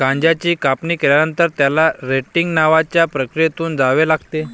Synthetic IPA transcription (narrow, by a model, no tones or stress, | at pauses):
ɡãɲd͡ʑat͡ɕiːkapniːkeljanənt̪əɾt̪jalaɾeʈiŋɡnaʋat͡ɕjapɾəkɾijet̪uːnd͡zaʋelaɡt̪e